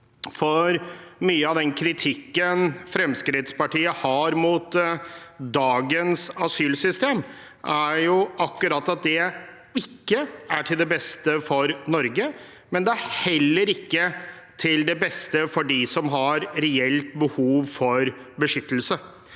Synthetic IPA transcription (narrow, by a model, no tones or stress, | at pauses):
fɔɾmyːəɑʋd̪ɛnkʰɾɪt̪ʰɪkːənfɾɛmskɾɪt̪spɑʈiːəhɑɾmut̪ | d̪ɑːɡənsɑsyːlsʏst̪eːm | ʔæɾjʊʔɑkːʉɾɑt̪ːɑt̪̚d̪ɛ | ɪkːəæʈʰɪld̪ɛbɛst̪əfɔɾnɔɾɡə | mɛnd̪ɛæɾhɛlːəɾɪkːə | t̪ʰɪld̪ɛbɛst̪əfɔɖɪsɔmɦɑɾɾɛɛlt̪bəhuːʋfɔɾbəʂʏt̪ːəl̩sə